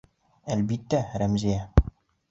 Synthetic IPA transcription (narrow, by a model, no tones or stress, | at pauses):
ælbit̪ːæɾæmzijæ